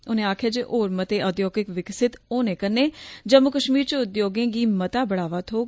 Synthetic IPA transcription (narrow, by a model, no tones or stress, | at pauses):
ʊnẽːaːkʰjaːd͡ʒeːʔoːɾmət̪eːʔəd̪joːkɪkʋɪksɪt̪oːnẽːkəɾneːd͡ʒəmːʊkəʃmiːɾt͡ʃəʊd̪joːɡẽːɡiːmət̪aːbəɽaːʋaːt̪ʰoː